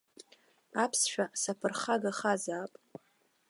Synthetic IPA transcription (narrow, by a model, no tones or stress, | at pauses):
apʰsʃʷᶣasapʰɨrχaɡaχazaːpʼ